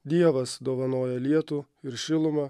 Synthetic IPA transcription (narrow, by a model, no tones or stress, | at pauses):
d̪ʲiɛʋɐsd̪oːʋɐnoːjɛlʲiɛt̪uː | ɪɾʃʲɪlˠʊmɑ